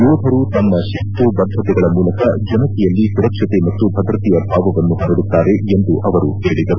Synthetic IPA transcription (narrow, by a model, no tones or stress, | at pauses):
uːb̪ʱɐɾut̪ɐmːɐʃit̪ubɐd̪ʱːɐt̪ɛɡɐɭɐmuːlɐkɐd͡ʒɐnɐk̪ɛjɐlːisuɾɐkʂɐt̪emɐt̪ːubʱɐd̪ɾɐt̪ijɐbʱaːʋɐʋɐnːuɦɐɾɐɽut̪ːaːɾe̞end̪uʔɐʋɐɾuɦeːɭid̪ɐɾu